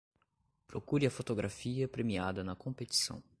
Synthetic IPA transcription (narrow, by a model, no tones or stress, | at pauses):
pɾokuɾiɐfot̪oɡɾʔafiɐpɾemiad̪ɐnɐkõpet͡ʃ̪i̥sɐ̰̃w̃